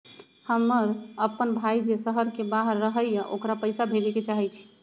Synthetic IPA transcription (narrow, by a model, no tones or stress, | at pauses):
həmːəɾəpənbʱaid͡ʒesəɦəɾkebaɦəɾːəɦəjjəʔokɾapəjsabʱed͡ʒɛket͡ʃaɦɛt͡ʃʰi̥